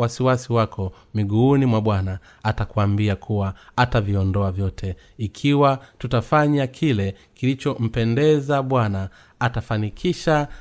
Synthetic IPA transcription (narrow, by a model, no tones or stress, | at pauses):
wasiwasiwakʰɔ | miɡuːnimwaɓwana | atakuambiakʰuwaataviɔndɔavjɔtʰɛ | ikʰiwatutafaɲakʰilɛ | kilit͡ʃɔm̩pɛndɛzaɓwanaː | tafanikʰiʃa